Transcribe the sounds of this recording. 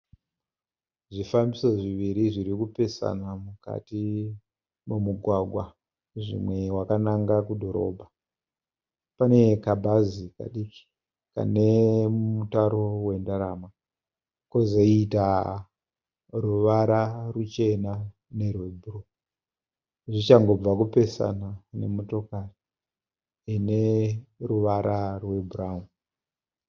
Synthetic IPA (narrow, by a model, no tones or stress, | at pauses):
ʐifambiso̞ʐiʋiɾiʐiɾikupe̞sa̰namuka̰ti | mumuɡʱwaɡʱwa | ʐḭmwe̞wakanaŋɡakudʱo̞ɾo̞̰bʱa | pane̞kabʱazika̰ɗiki̥ | ka̰ne̞mumutaɾo̞we̞ndaɾama | kozoita | ruʋaɾarut͡ʃe̞na | ne̞rwebʱuro | ʐit͡ʃaŋɡo̞b͡vakupe̞sa̰nane̞̰mo̞to̞kari | ineruʋaɾarwebʱuraɦu